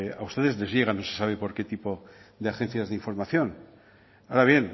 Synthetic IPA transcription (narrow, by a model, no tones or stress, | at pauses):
aust̪e̞ðe̞zle̞zʝe̞ɣ̞ano̞sesaβ̞e̞po̞ɾke̞t̪ipo̞ðeaxẽ̞n̟θjazðeiɱfo̞ɾmaθjo̞n | aɾaβje̞n